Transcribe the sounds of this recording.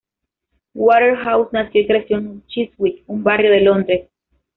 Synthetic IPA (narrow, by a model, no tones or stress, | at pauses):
waɾeɾɦawsnaskekɾesjonut͡ʃiswikumbarjoðelond̪ɾes